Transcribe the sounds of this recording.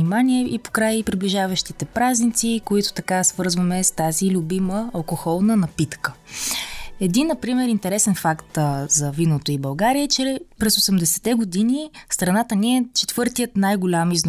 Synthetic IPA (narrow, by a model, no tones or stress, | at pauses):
nimaniɛipo̥kɾajpɾibliʒavəʃt̪it̪ɛpɾaznit̪sikoit̪ʊ̥t̪ɐkasvɤɾzvəmɛst̪azilʲʊbiməɐlˠkoxɔlˠnənɐpit̪kə | ɛd̪inːɐpɾimɛɾint̪ɛɾɛsɛnfakt̪zɐvinot̪oibɐlˠɡaɾiət͡ʃɛpɾɛsosɛmd̪ɛsɛ̥t̪ɛɡod̪inist̪ɾɐnat̪əniɛt͡ʃɛt̪vɤɾt̪ijət̪najɡʊlʲamizn